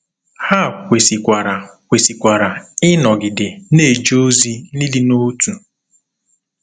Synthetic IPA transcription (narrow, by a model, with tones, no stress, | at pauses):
ha˦˨kʷe˨si˨kʷa˨ɾa˨kʷe˨si˨kʷa˨ɾa˨ɪ˦nɔ˨ɡɪ˨de˨ne˦˨d͡ʒo˦zi˦i˦li˦no˦tu˨